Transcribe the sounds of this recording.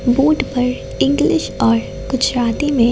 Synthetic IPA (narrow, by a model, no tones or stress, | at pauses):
buːʈpɐɾ | ɪ̃ŋɡlɪʃɔːɾ | ɡ̥ʊd͡ʒɾaːt̪imẽ